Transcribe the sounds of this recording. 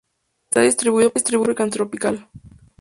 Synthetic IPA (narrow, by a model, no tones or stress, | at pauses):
t̪aðist̪ɾiβuioist̪ɾiβuɾekant̪ɾopikal